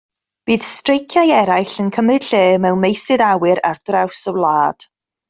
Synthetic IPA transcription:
b̥iːð̥strejkʰjajɛɾajɬənkʰəmɨd̥ɬeːmɛwmejsɨðawɪɾa̰rdrawsəwlˠaːd̥

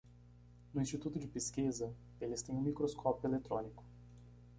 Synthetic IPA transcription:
nʊĩst͡ʃit̪ut̪ʊd͡ʒɪpeskizɐ | elɪst̪ẽj̃ũmikɾoskʰɔpjʊelet̪ɾõnikʊ̥

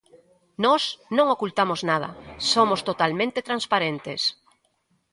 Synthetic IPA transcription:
nɔsnõŋokult̪amoznað̞ɐ̰somost̪ot̪almẽnt̪et̪ɾãnspaɾent̪es

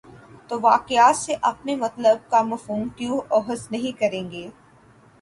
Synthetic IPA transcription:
t̪oːʋaːqɪaːt̪seʔɐpnemɐt̪ləb̚kamɐfɦuːmkjuːɔːɦəznɐɦĩkɐɾẽːŋɡeː

